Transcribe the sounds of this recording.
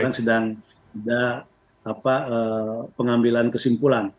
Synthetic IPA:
ɾaŋsədaŋ | ida | apaəpəŋambilankəsimpulan

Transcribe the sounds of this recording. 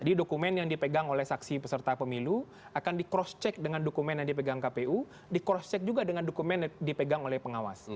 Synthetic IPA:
d͡ʒadidokumɛnjaŋdipəɡaŋolɛhsaksipəsərt̪apəmilu | akandikɾɔst͡ʃɛk̚dəŋandokumɛnjaŋdip̬əɡaŋkapeʔu | dikɾɔst͡ʃɛk̚d͡ʒuɡadəŋandokumɛndipəɡaŋolɛhpəŋawa̰s

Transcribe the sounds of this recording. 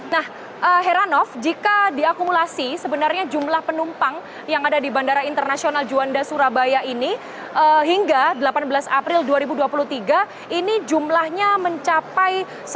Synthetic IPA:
nah | ʔəɦeɾanɔfd͡ʒikadiakumulasisəbənarɲad͡ʒumlahpənumpaŋ | jaŋadadibandaɾaint̪ərnasionald͡ʒuandasuɾabajaʔini | ʔəɦiŋɡadəlapanbəlasapɾɪlduaɾibuduapuluht̪iɡa | inid͡ʒumlahɲaməɲt͡ʃapaj | s

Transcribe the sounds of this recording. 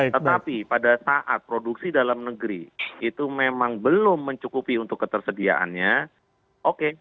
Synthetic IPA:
ɪkt̪ət̪apipadasaʔa̰t̪̚pɾoduksidalamnəɡəɾiit̪umemaŋbəlʊmːəɲt͡ʃukupiunt̪ʊkːət̪ərsədia̰ʔa̰nɲa | ʔoke

